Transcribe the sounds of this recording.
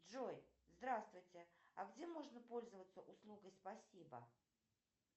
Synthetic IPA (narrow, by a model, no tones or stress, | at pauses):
ʐojzd̪ɾast̪vʊjtʲɪɐɡdʲemo̞ʐnəpo̞lʲzəvət̪səʔʊslˠuɡəjspɐsʲibə̰